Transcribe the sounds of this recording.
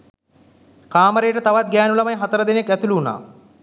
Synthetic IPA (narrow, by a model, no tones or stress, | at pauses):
kaːməɾejəʈət̪aʋat̪̚ɡæːnulɐmɐjɦat̪əɾəd̪enekæt̪uluːna̰ː